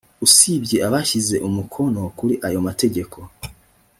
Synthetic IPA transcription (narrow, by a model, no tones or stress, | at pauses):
usibɟe̞ʔaβaʃize̞ʔumukʰo̞no̞kuɾiʔajo̞mate̞ɟe̞kʰo̞